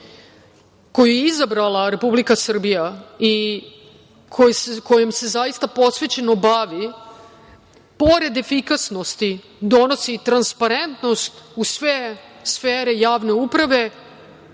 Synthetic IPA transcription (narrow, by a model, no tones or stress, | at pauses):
ko̞jujeizabɾalaɾe̞publikasr̩bijai | kʰosko̞jemse̞zajist̪apo̞sʋe̞t͡ɕe̞no̞baʋi | po̞ɾe̞d̪e̞fikasno̞st̪i | d̪o̞no̞sit̪ɾanspaɾe̞nt̪no̞st̪usʋesfeːɾejaːʋne̞upɾaʋe̞